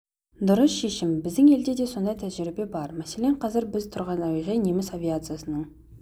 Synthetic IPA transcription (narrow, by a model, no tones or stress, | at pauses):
d̪ʊɾəsʃeʃɪmbɪzd̪ɪŋe̞ld̪e̞d̪e̞so̞nd̪ɑjt̪ʰæʒɪɾɪbe̞bɑɾmæseleɴqʰɑzɪɾbɪzt̪ʰʊɾʁɑnɑwiʁejnemɪsɑvijat̪sɨjasənəɴ